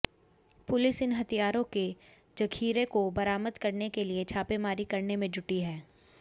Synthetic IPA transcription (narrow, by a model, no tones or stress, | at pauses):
pʊlɪsɪnɦɐt̪ijaːɾõke | d͡ʒɐkʰiːɾekobɐɾaːməd̪kɐɾnekeliet͡ʃʰaːpemaːɾikɐɾnemẽd͡ʒʊʈiɦɛː